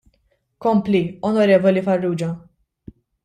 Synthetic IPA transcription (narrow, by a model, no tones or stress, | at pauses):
kɔmpliɔnɔɾɛːvɔlifɐrːuːd͡ʒɐ